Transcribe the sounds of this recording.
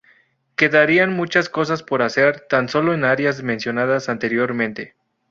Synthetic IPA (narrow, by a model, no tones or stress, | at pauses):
ke̞ðaɾianmut͡ʃasko̞s̬aspo̞ɾase̞ɾt̪anso̞lo̞enaɾjazmẽnsjo̞naðasant̪e̞ɾjo̞ɾmẽnt̪e̞